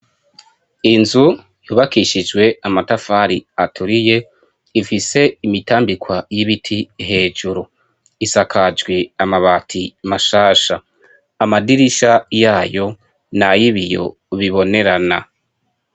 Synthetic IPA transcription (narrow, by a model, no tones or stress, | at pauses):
inzu | juːβakiʃid͡ʒɡwe̞amatafaɾiatʰuɾije̞ | ifise̞imitaːmbikwajiβitʰiɦe̞ːd͡ʒuɾu | isakʰad͡ʒɡweamaβaːtʰimaʃaːʃaː | madiɾiʃajaːjo̞ | najiβijo̞̰ | βiβo̞ne̞ɾana̰